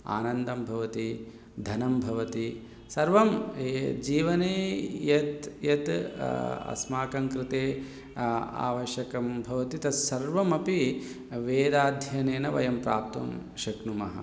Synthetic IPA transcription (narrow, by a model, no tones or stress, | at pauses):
a̰ːnɐnd̪ɐmbʱɐʋɐt̪i | d̪ʱɐnɐmbʱɐʋɐt̪i | sɐɾʋɐmd͡ʒiːʋɐneːjɐt̪jɐt̪ | ɐ̰smaːkɐŋkɾɪt̪eː | a̰ːʋɐʃjɐkɐmbʱɐʋɐt̪it̪ɐsɐɾʋɐmɐpi | ʋeːd̪aːd̪ʱjɐneːnɐʋɐjɐmpɾaːp̚t̪ɐ̰m | ʃɐknumɐ̰ɦɐ̰